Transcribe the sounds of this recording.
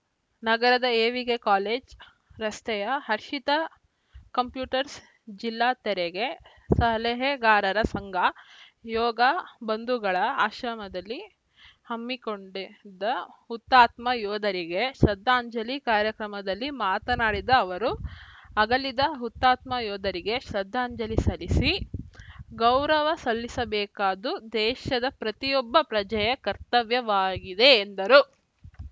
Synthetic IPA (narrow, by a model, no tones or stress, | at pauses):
nɐɡɐɾɐd̪ɐeːʋiɡekaːleːd͡ʒ | ɾɐst̪ɛjɐɦɐɾʃit̪ɐ | kɐmpjuːʈɐɾs | d͡ʒilːaːt̪ɛɾeɡe̞ | sɐɦɐleɦeɡaːɾɐɾɐsɐŋɡʱɐjɔːɡɐbɐnd̪ʱuɡɐɭɐaːʃɾɐmɐd̪ɐlːi | hɐmːikoɳɖed̪ɐhut̪ːaːt̪mɐjɔːd̪ʱɐɾiɡe̞ʃɐd̪ʱːaːɲd͡ʒɐlikaːɾjɐkɾɐmɐd̪ɐlːimaːt̪ɐnaːɽid̪ɐːʋɐɾuɐɡɐlid̪ɐɦut̪ːaːt̪mɐjɔːd̪ʱɐɾiɡe̞ʃɾɐd̪ʱːaːɲd͡ʒɐlisɐlisi | ɡɐwɾɐʋɐsɐlːisɐbɛːkaːd̪ud̪ɛːʃɐd̪ɐpɾɐt̪ijɔbːɐpɾɐd͡ʒɐjɐkɐɾt̪ɐʋjɐʋaːɡid̪e̞ːnd̪ɐɾu